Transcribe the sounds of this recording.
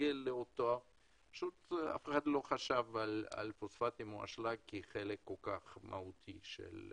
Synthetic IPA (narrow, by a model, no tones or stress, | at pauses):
elːeot̪oa | pḁʃut̪a̰feχad̪lo̞χaʃavala̰lfosfat̪imoa̰ʃlaɡ̚kiχelekːo̞lkaχmʔa̰ut̪ʰiʃḛl